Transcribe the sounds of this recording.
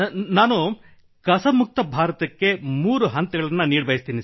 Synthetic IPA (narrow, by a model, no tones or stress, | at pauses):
naːnu | kɐsɐmuk̚t̪ɐbʱaːɾɐt̪ɐkːe̞muːɾuɦɐnt̪ɐɡɐɭɐnːɐniːɽbʱɐjist̪iːni